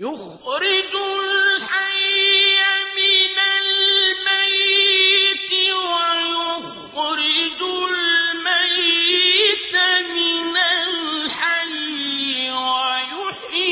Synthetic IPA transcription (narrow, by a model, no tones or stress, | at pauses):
jʊx | ɾɪd͡ʒʊlħajamɪnalmaj | t̪ɪwajʊx | ɾɪd͡ʒʊlmaj | t̪mɪnalħajːwajʊħi